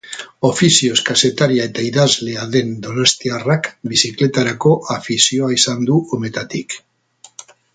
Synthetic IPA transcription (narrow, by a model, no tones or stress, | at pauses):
o̞fisio̞skase̞t̪aɾiae̞t̪aiðazle̞aðe̞nd̪o̞nost̪iarakbisikle̞t̪aɾako̞ʔafisio̞aisand̪uome̞t̪at̪ik